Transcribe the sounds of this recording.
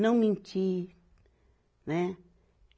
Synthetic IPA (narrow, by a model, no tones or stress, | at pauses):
nõmĩnt͡ʃi | nẽ